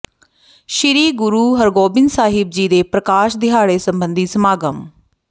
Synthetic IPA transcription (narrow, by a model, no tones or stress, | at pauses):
ʃɪɾiːɡʊɾuːɦəɾɡoːbɪnsaːɦɪb̚d͡ʒiːd̪eːpɾəkaːʃd̪ɪɦaːɽeːsəmbənd̪iːsəmaːɡəm